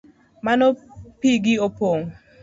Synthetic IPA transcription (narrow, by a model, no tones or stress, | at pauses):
manɔpiɡiopoŋ